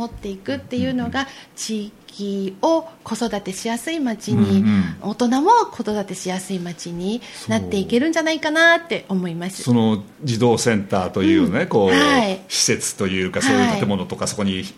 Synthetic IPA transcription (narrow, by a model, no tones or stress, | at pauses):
mo̞t̪ːe̞ikɯ̟t̪ːe̞jɯ̟no̞ɡat͡ɕiːkʲio̞ko̞so̞d̪at̪e̞ɕijasɨimat͡ɕiɲ̟iot̪o̞namo̞kʰo̞so̞d̪at̪e̞ɕijasɨimat͡ɕiɲ̟inat̪ːe̞ike̞ɾɯ̟̃ɲ̟d͡ʑanaikanat̪ːe̞ʔo̞mo̞imasɨ̥sono̞ | d͡ʑid̪o̞ːsẽ̞nt̪aːt̪o̞jɯ̟ːjonneko̞ːhaiɕi̥se̞t͡sɨ̥t̪o̞jɯ̟ːkasoːjɯːt̪ait̪e̞mo̞no̞t̪o̞kaso̞koɲ̟i